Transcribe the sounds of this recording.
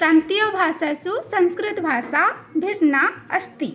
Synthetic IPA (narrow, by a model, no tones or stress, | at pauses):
kɾaːnt̪ijobʱaːsasusɐ̃ñskɾɪt̪bʱaːsabʱiɾnaɐst̪i